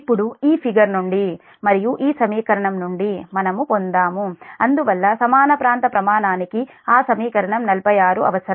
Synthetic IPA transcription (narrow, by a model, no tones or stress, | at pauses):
pːuɽuiːpʰiɡɐɾnoɳɖi | mɐɾijuʔiːsɐmiːkɐɾɐɳɐmnoɳɖimɐnɐmupond̪aːmuɐnd̪uʋɐlːɐsɐmaːnɐpɾaːnt̪ɐpɾɐmaːnaːniki | aːsɐmiːkɐɾɐɳɐmnɐlpɐjaːɾuʔɐ̰ʋɐsɐɾ